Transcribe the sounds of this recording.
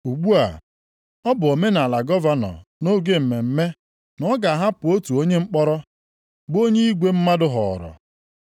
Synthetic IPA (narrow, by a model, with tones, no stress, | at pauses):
u˨ɡ͡bu˦a̰˨ | ɔ˦bʊ˨o˨me˦na˨a˨la˨ɡɔ˦va˦nɔ̰˨no˦ɡe˦m̩˨me˨m̩˦me˦ | nɔ˦ɡa˨a˨ɦa˦pʊ˨o˦tu˨o˦ɲe˦ŋ͡m̩˦k͡pɔ˦ɾɔ˦ | bo˦ɲe˦i˦ɡʷe˦m̩˦ma˦dʊ˦ɦɔ̰˨ɾɔ̰˨